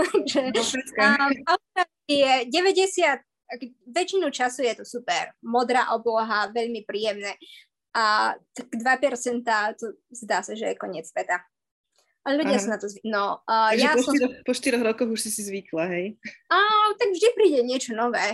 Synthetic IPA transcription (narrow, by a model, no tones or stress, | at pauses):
t̪aɡʒɛaaʊɾaijɛɟɛʋɛɟɛsɪat̪̚ | akɔʋɛt͡ʃinut͡ʃasujɛt̪ɔsupɛɾmɔd̪ɾaːʔɔblɔɦaʋɛʎmipɾiːjɛmnɛː | at̪aɡ̥d̪ʋapɛɾt͡sɛnt̪aːt̪ɔzd̪aːsaʒɛjɛkɔɲɪɛt͡sːʋɛt̪a | ʔalɛʎuɟɪasanat̪ɔzʋinɔjasɔiɾɔpɔʃt̪iɾɔɣɾɔkɔɣuʃsisizʋiklaɦɛjat̪aɡvʒd̪ipɾiːɟɛɲɪɛt͡ʃɔnɔʋɛː